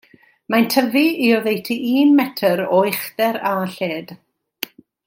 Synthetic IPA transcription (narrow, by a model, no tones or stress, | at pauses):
majntʰəviiɔðejtʰiʔiːnmɛtʰəɾɔɨχðɛɾaɬeːd̥